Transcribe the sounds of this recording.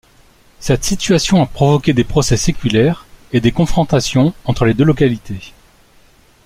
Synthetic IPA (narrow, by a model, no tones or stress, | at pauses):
sɛt̪sit̪ɥasjɔ̃apχɔvɔkʲed̪epχɔsɛsekʲylɛʁed̪ekɔ̃fχɔ̃t̪asjɔ̃ɑ̃t̪χəled̪ølɔkalit̪e